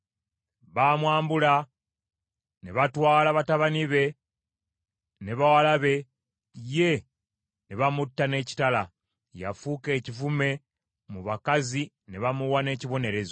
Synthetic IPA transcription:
βaːmwaːmbula | ne̞βatwaːlaβataβaniβe̞ | ne̞βawalaβe̞ | je̞ | neβamutːane̞ːci̥tala | ja̰fuke̞ːcivume̞ | muβakazi | ne̞βamuwane̞ːciβo̞ne̞ɾe̞zo

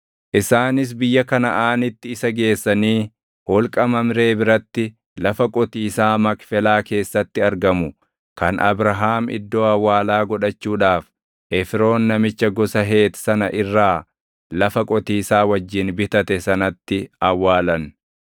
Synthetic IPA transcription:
ʔɪsaːnɪs̬bɪjːɐkɐnɐʔaːnɪt̪ːɪːsɐɡe̞ːsːɐniː | hɔlkʼɐmɐmɾe̞ːbɪɾɐt̪ːɪ | lɐfɐkʼɔt̪iːsaːmɐkfɛlaːke̞ːsːɐt̪ːɪɐɾɡɐmʊ | kɐnʔɐ̰bɾɐɦaːmɪ̰d̪ːo̞ːɐwːaːlaːɡɔᶑɐt͡ʃːuːᶑaːf | ʔɛfɪɾo̞ːnːɐmɪt͡ʃːɐɡɔsɐɦe̞ːt̪sɐnɐʔɪrːaː | lɐfɐkʼɔt̪iːsaːwɐd͡ʒːɪnbɪt̪ɐt̪ɛsɐnɐt̪ːɪɐwːaːlɐn

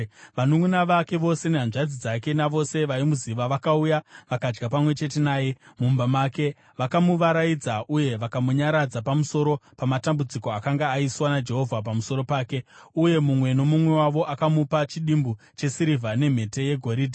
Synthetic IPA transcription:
ʋanoŋunaʋake̞ʋo̞se̞neɦanʐad͡zid͡zake̞naʋo̞se̞ʋaimuziʋaʋakaujaʋakad͡ʒɡapamwe̞t͡ʃe̞te̞naːje̞mumbamake̞ | ʋakamuʋaɾajid͡zaʔuje̞ʋakamuɲaɾad͡zapamuso̞ɾo̞pamatambud͡ziko̞akaŋɡaːiswanad͡ʒe̞ɦo̞vʱap̬amuso̞ɾo̞paːke̞uje̞mumwe̞no̞mumwe̞waʋo̞ʔakamupat͡ʃiɗimbu | t͡ʃe̞siɾivʱane̞m̤e̞te̞je̞ɡʱo̞ɾiːdʱi

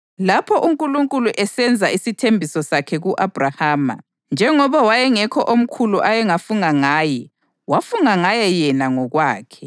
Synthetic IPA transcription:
lapʰɔʔuŋkʼuluŋkʼuluʔɛsɛnd͡zʱaisitʰembʱisɔsakʰɛɣuʔab̥ʱrahaːma̰ | nd͡ʒʱɛŋɔβawajɛŋɛkʰɔʔom̩kʰuluʔajɛŋafuŋaŋaːjɛ | wafuŋaŋajɛjɛnaŋɔɣwaːkʰɛ

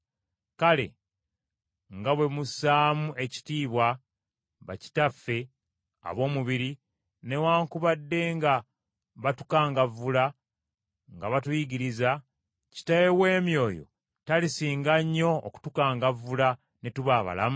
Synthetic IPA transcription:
kale̞̰ | ŋɡaβwe̞musaːmuʔe̞ci̥tiːβwa | βa̰ci̥tafːe̞ | a̰βo̞ːmuβiɾi | ne̞waːŋkuβadːe̞ŋɡa | βatukaːŋɡavːula | ŋɡaβatujiɟiɾiza | ci̥tajewe̞ːmjo̞ːjo̞̰ | talisiːŋɡaɲːo̞̰ːku̥tukaːŋɡavːula | netuβaːβa̰la̰mu

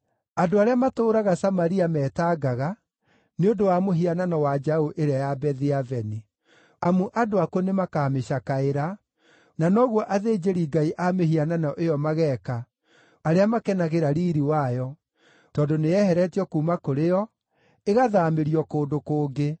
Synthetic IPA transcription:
adoaɾeamatoːɾaɣasamaɾiamɛːtaːɡaɣa | neondowamoɦiananɔwad͡ʒaoʔeɾajabɛðiavɛni | amuʔadoakɔnemakaːmeʃakaeɾa | nanɔɣwɔʔaðeːd͡ʒeɾiɡaiʔameɦiananɔʔejɔmaɣɛka | aɾeamakɛnaɣeɾaɾiɾiwajɔ | tɔːndoneɛhɛɾɛtiɔkuːmakoɾejɔ | eɣaðaːmeɾiɔkoːndokoːɡe

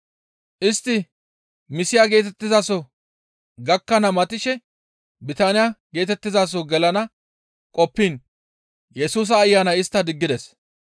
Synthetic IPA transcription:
ʔɪst̪ːɪ | mɪsɪjaːɡe̞ːt̪ɛt̪ːɪzaːsɔ | ɡɐkːɐnɐmɐt̪ɪʃɛ | bɪt̪aːnɪjaːɡe̞ːt̪ɛt̪ːɪzaːs̬ɔɡɛlɐnɐ | kʼɔpːiːn | jɛsuːs̬ɐːjːaːnɐjɪst̪ːɐd̪ɪɡːɪd̪ɛs

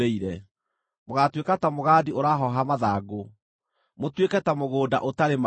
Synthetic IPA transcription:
eiɾɛ | moɣatwekatamoɣaːdioɾaɦɔɦamaðaːɡo | motwekɛtamoɣoːda̰ʔotaɾema

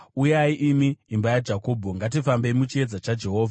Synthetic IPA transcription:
ujaiʔimiːmbajad͡ʒako̞ːbʱoŋɡat̬ifambe̞imut͡ʃie̞d͡zat͡ʃad͡ʒe̞ɦo̞ːvʱa

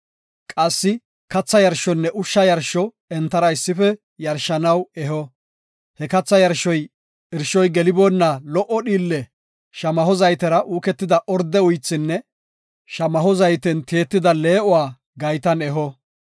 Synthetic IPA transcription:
kʼɐsːɪ | kɐt͡sːɐjɐɾʃɔnːɛʔʊʃːɐjɐɾʃːɔ | ɛnt̪ːɐɾɐɪsːɪfɛ | jɐɾʃːɐnɐwɛɦɔ | hɛkɐt͡sːɐjɐɾʃːɔj | ɪɾʃɔjɡɛlɪbonːɐlɔʔɔɗiːlːɛ | ʃɐmɐhɔzɐjt̪ɛɾɐʔuːkɛt̪ːɪd̪ɐʔɔɾd̪ɛʊjt͡sːɪnːɛ | ʃɐmɐɦɔzɐjt̪ɛnt̪eːt̪ːɪd̪ɐle̞ːʔɔwaː | ɡɐjt̪ɐnɛɦɔ

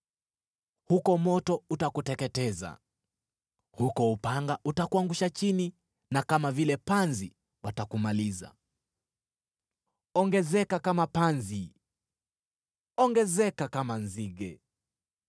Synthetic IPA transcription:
hukɔmɔtɔutakutɛkɛtɛza̰ | hukɔupaŋɡaʔutakuaŋɡuʃat͡ʃini | nakamavilɛpanzi | watakumaliza̰ | ɔŋɡɛzɛkakamapanzi | ɔŋɡɛzɛkakamanziɡɛ

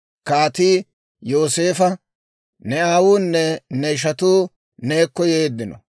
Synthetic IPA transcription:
kaːt̪iː | jo̞ːse̞ːfɐ | nɛaːwuːnːɛnɛʃ̬ɐt̪uː | ne̞ːkːɔjeːd̪ːɪnɔ̰

